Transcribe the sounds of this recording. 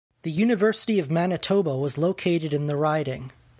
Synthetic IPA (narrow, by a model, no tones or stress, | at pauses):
ðɨjʉnɨvɜ˞sə̥ɾiʌvmænɨtʰoʊbəwʌzloʊkʰeɪɾɨɾɨ̃nðəɹaɪɾɪ̃ŋ